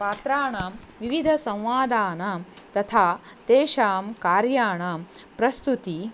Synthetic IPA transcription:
paːt̪ɾaːɳaːʋiʋid̪ʱɐsɐ̃w̃ʋaːd̪aːnɐ | t̪ɐt̪ʰaːt̪eːʃaːmkaːɾjaːɳɐ | pɾɐst̪ut̪i

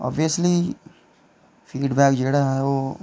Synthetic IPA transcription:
ɔ̰ːbijəsli | fʰiːɖbɛːkd͡ʒeːɽaɦɛoː

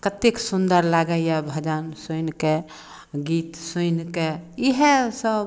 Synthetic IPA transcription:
kət̪ːeksund̪əɾlaɡəjabʱəd͡ʒənsujnke | ɡit̪sujnkeiɦesəb

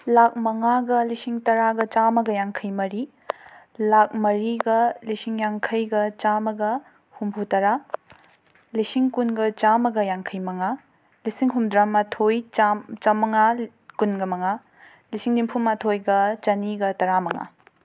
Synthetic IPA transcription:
lak̚mɐŋaɡɐlisiŋtɐɾaɡɐt͡ʃamɐɡɐjaŋkʰɐjmɐɾi | lak̚mɐɾiɡɐlisiŋjaŋkʰɐjɡɐt͡ʃamɐɡɐ | humpʰutɐɾa | lisiŋkunɡɐt͡ʃamɐɡɐjaŋkʰɐjmɐŋa | lisiŋɦumdɾamatʰojt͡ʃat͡ʃɐmɐŋa | kunɡɐmɐŋa | lisiŋdimpʰumatʰojɡɐt͡ʃɐniɡɐtɐɾamɐŋa̰

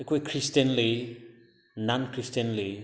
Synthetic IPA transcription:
ekʰojkʰɾistənli | nankʰɾistənli

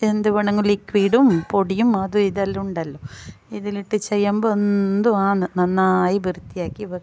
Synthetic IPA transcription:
end̪uʋɐɳɐŋːɐɭikːʋiːɽumpoɽijumɐðuiðɐlːuɳɖɐlːoiðiliʈːɨt͡ɕejːaːmbond̪uaːnnɐnːaːjibirt̪ːijaːkːiʋɐ

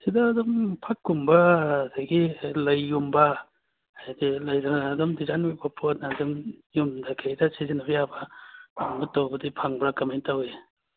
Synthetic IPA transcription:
sidɐːdɔmpʰakːumbɐːdajɡilɐjːumbɐ | ajdilɐjdaɾanaːdɔmdizanibɐpʰot̚naːdɔmjumdakʰejdɐsizinɐbjabɐamutːawbɐdipʰaŋbɾakɐmentawe

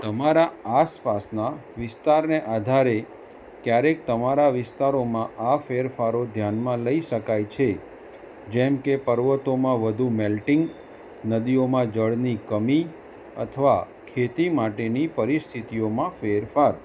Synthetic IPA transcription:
t̪əmaɾaaspasnaʋɪst̪aɾneʔad̪ʱaɾe | kjaɾek̚t̪əmaɾaʋɪst̪aɾomãʔafeɾfaɾod̪ʱjanmãləiʃəkajt͡ʃʰe | d͡ʒɛmkepəɾʋət̪omãʋəd̪ʱumɛlʈɪŋɡ | nəd̪iomãd͡ʒəɭnikəmi | ə̰t̪ʰəʋa | kʰet̪imaʈenipəɾist̪ʰit̪ijomãfeɾfaɾ

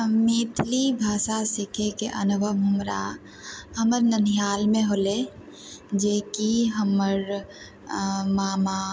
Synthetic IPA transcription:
meːt̪ʰlibʱaːsasɪkʰekeʔə̰nʊbʱəmʱʊmɾa̰ | ɦəməɾnənijaːlmẽɦoːle | d͡ʒeːkiɦəməɾ | maːma

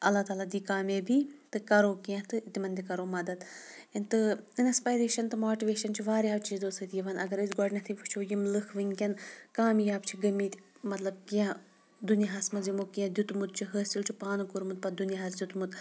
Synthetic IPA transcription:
ɐlːaːt̪aːlaːd̪iːkaːmeːbʱiːt̪ɨkɐɾoːkiãt̪ɨt̪ʲimɐnʲd̪ʲikɐɾoːmɐd̪ɐd̪ | inʲt̪ɨinspaːjɾeːʃɐnt̪ɨmoːʈiʋeːʃɐnt͡ʃʰiʋaːɾʲjaːʋt͡ʃiːzd̪oːsɨt̪iʋɐnʔɐɡɐɾɨsʲɡɔɖnɐt̪ʰiʋɨt͡ʃʰoːjimlɨkʰʋɨŋʲkʲɐnkaːmijaːpt͡ʃʰiɡɐmiːt̪ʲ | mɐt̪lɐb̚kiã | d̪unjaɦaːsmɐzimokijãd̪ʲut̪mut̪̚t͡ʃʰiɦəːsilt͡ʃʰipaːnɨkuɾmut̪̚pɐd̪unjaɦaːsd̪ʲut̪mut̪

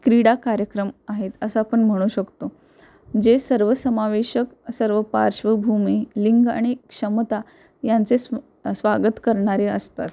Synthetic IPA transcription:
kɾiɽakaɾjəkɾəmaɦet̪əsəapəɳm̤əɽ̃uːɕəkt̪o | d͡ʑesəɾʋəsəmaʋeɕəksəɾʋəpa̰ɾʂʋəbʱumiliŋɡa̰ɽ̃ikʂəmt̪a | jant͡ses | sʋaɡət̪kəɾɳ̃aɾeəst̪a̰t̪

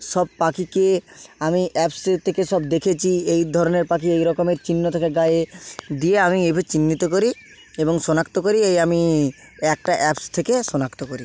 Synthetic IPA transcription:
ʃɔb̚pakikeamiʔɛpst̪ʰekeʃɔb̚d̪ekʰet͡ɕʰiejd̪ʱɔɾoneɾpakiejɾɔkomeɾt͡ɕinːot̪ʰekeɡajed̪ieamiejbʱat͡ɕinːit̪okoɾi | eboŋʃonakt̪okoɾiejami | ɛk̚ʈaʔɛpst̪ʰekeʃonakt̪okoɾi

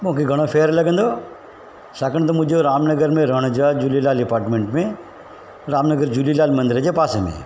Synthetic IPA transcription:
bõːkiɡɐɽ̃opʰeːɾləɡə̃nd̪oː | sakəɳ̃t̪̬omʊd͡ʒoɾaːmnəɡəɾmẽɾəɽ̃od͡ʒaːd͡ʒulilaːlɖɪpaːɾʈmẽːɳʈmẽ | ɾaːmnəɡəɾd͡ʒulilaːlmɐ̃nd̪ɾed͡ʒepaːsemḛ̃

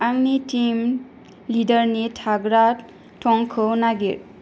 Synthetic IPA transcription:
aŋnitim | lidəɾnitʰaɡɾat | tʰɔŋkʰɯnaɡiɾ

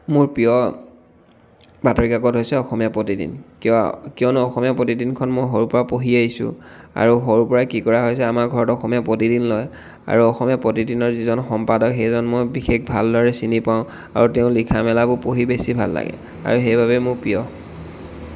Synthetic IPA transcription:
mʊɹpijɔ | batɔɹikakɔtɦojsɛɔxɔmijapotidḭnkkijɔnʊɔxɔmijapɹotidinkʰɔnmojɦoɹupɔɹapoɦiaɦisʊ̰̃a̰ɹuɦoɹupɔɹakikɔɹaɦojs̬ɛamaɹɡʱɔɹɔtɔxɔmijapotidinlɔj | a̰ɹuɔxɔmijapɹotidinɔɹzizɔnxɔmpadɔkxejzɔnmojbixek̚bʱa̰ldɔɹɛsinipaʊ̃ | a̰ɹuteʊ̃likʰamɛlabʊpoɦibesibʱa̰lːa̰ɡɛ̰ | a̰ɹuxejbʱabɛmʊɹpijɔ

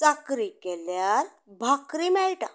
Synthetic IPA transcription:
t͡sakɾikeljaɾ | bʱakɾimɛɭʈa

